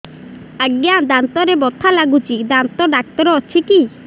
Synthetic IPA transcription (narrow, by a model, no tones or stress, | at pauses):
əɡjad̪ant̪ɔɾebɔt̪ʰalaɡut͡ʃid̪ant̪ɔɖak̚t̪ɔɾɔːt͡ʃʰiki